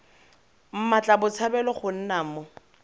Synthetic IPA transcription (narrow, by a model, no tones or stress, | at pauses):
m̩mat͡ɬʼabʊt͡sʰabɛlɔχʊn̩namʊ